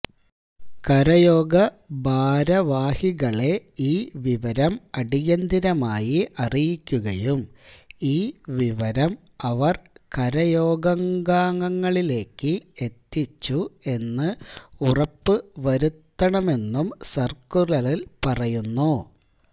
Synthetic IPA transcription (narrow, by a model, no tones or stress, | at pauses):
kɐɾɐjo̞ːɡɐ | bʱaːɾɐʋaːhiɣɐɭe̞iːʋiʋɐɾɐmɐɽijɐnd̪ʱiɾɐmaːjiʔɐrijikʲːuɣɐjumiːʋiʋɐɾɐm | ɐʋɐrkɐɾɐjo̞ːɡɐŋɡaːŋɐŋːɐɭile̞ːkːɨe̞t̪ːit͡ɕːue̞nːɨurɐpːɨʋɐɾut̪ːɐɳɐme̞nːumsɐrkurɐlilpɐrɐjunːu